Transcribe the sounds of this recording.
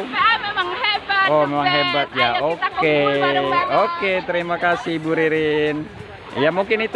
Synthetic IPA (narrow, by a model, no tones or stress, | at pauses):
omemaŋɦebat̪̚jaoke | oket̪əɾimakasihbuɾiɾɪn | jamuŋkɪnit̪